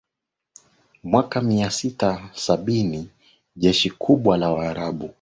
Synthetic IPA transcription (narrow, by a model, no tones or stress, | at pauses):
mwakamiasitasaɓini | ʄɛʃikʰuɓwalawaːɾaɓu